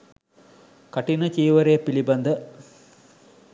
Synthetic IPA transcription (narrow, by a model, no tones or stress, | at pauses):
kɐʈːinɐt͡ʃiːʋɐɾeːpiɭibɐnd̪ɐ